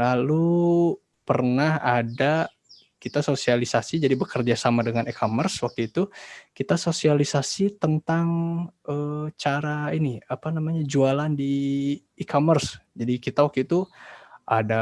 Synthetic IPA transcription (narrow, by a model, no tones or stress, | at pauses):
lalu | pərnahada | kit̪asosialisasid͡ʒadibəkərd͡ʒasamadəŋanikʰomərswak̚t̪uit̪ukit̪asosialisasit̪ənt̪aŋət͡ʃaɾainiapanamaɲad͡ʒualandiː | kʰomərsd͡ʒadikit̪awakt̪uit̪uʔada